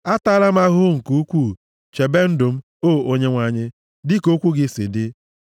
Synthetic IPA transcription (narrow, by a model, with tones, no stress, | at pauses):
a˦ta˦la˦m̩˦a˦ɦʊ˦ŋ̩˨ku˦u˦kʷu˦˨ | t͡ʃe˨be˦n̩˦dʊ˨m̩˦ | o˦˨o˦ɲe˦ŋʷa˨ɲɪ˦ | dɪ˦ko˦kʷu˦ɡɪ˦sɪ̰˨dɪ˦